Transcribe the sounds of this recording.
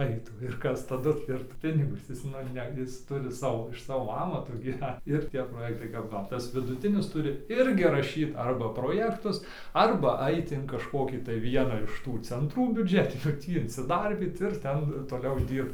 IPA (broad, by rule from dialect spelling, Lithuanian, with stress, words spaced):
ˈɐɪtuː ɪr ˈkɐs tɐˈdʊ ɪr ˈpʲɪnʲɪɡʊs ˈjɪs nʊ ˈnʲɛ ˈjɪs ˈtʊrʲɪ ˈsɑːʋoː ɪʃ ˈsɑːʋoː ˈɑːmɐtoː ɡʲiːˈʋʲɛnt ɪr ˈtʲiɛ proːˈjæːktɐɪ ˈkɐp ˈʋɐ tɐs ʋʲɪdʊˈtʲɪnʲɪs ˈtʊrʲɪ ˈɪrʲɡʲɪ rɐˈʃʲiːt ˈɐrbɐ proːˈjæːktʊs ˈɐrbɐ ˈɐɪt ɪn kɐʃˈkoːkʲiː tɐɪ ˈʋʲiɛnɑː ɪʃ ˈtuː t͡sʲɛnˈtruː bʲʊˈd͡ʒʲæːtʲɪnʲuː ˈtʲiː ɪnʲsʲɪˈdɐrʲbʲiːt ɪr ˈtʲɛn toːˈlʲɛʊ ˈdʲiːrpt